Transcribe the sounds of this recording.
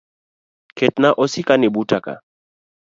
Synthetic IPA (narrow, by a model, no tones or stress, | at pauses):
kɛtnaʔɔsɪkanɪbutaka̰